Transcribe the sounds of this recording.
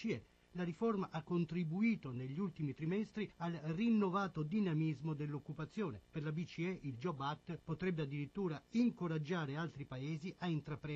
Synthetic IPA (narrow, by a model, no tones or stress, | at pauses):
iɛ | laɾiformaʔakːont̪ɾibuiːt̪oneʎːiult̪imit̪ɾimɛst̪ɾialrinːovaːt̪od̪inamizmod̪elːokːupat̪sːjoːneperlabit͡ʃiɛʔild͡ʒɔbat̪ːpot̪ɾɛbːead̪ːiɾit̪ːuːɾaiŋkoɾad͡ʒːaːɾealt̪ɾipaeːziʔaint̪ɾapɾɛ